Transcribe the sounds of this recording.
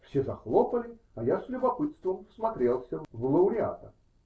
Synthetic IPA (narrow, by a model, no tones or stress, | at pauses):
fsʲezɐxlˠopəlʲɪ | ɐjaslʲʊbɐpɨt̪st̪vəmfsmɐt̪ɾʲe̞lˠsʲəvlˠəʊɾʲɪa̰t̪ə